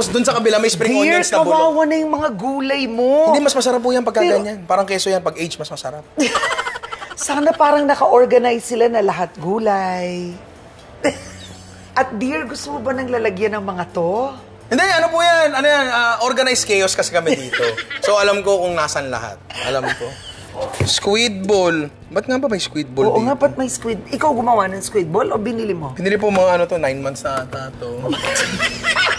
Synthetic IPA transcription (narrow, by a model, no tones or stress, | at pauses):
sd̪ʊnsɐkɐbɪlamɐjspɾɪŋoɛsɐwaːwɐnɐjʊŋmɐŋaɡuːlɐjmond̪imɐsmɐsɐɾap̚ːuːjanpɐɡ̚kːaːɡɐnɲanpaːɾɐŋkɛːsojanpɐɡʔɛjd͡ʒmɐsmɐsɐɾap̚ | saːnɐpaːɾɐŋnɐkɐʔoɹɡɐnajsɪlanɐlɐɦat̪̚ɡuːlɐj | ʔɐt̪̚b̪iɹɡʊst̪omobɐnɐŋlalɐɡjanɐŋmɐŋat̪o | ʔɪnd̪ɛɐnopujanɐnojanaʔoɾɡɐnajskɛjoskɐsɛkɐmɛd̪iːt̪o̞soʔɐlamko̞kʊŋnaːsɐnlɐ̰ha̰t̪̚ʔɐlamko | skwid̪̚bol | bɐt̪̚ŋabɐmɐjskwid̪̚boloʔoŋapɐt̪̚mɐjskwɪd̪̚ʔɪkawɡʊmɐwanɐŋskwɪt̪̚bolʔobɪnɪlɪmobɪnɪlɪp̬omɐŋaʔɐnot̪onajnmant̪sɐʔaːt̪aːt̪o